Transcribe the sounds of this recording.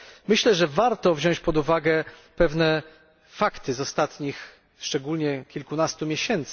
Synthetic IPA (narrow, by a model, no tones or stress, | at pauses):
mɘɕlɛʐɛvaɾt̪ɔvʑɔ̃w̃t͡ɕpɔd̪uvaɡɛpɛvnɛ | fakt̪ɘzɔst̪at̪ɲix | ʂt͡ʂɛɡulɲɛkʲilkunast̪umʲjeɕɛnt̪s